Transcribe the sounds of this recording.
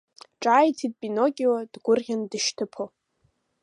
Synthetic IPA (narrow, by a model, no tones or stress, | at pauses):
ʈ͡ʂʼajtʰid̚pʼinoɡʲʼiwadɡʷʊrʁʲandɨʃtʰɨpʰo